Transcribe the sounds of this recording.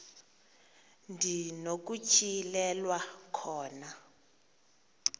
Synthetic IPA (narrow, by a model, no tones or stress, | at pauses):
ndʱinok̬ut͡ʃʰʼilɛlwakʰɔːna